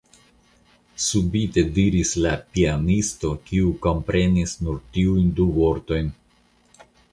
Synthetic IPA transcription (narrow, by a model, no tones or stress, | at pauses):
subite̞diɾislapianisto̞kiuko̞mpɾe̞nisnuɾtiujnduvo̞ɾto̞jn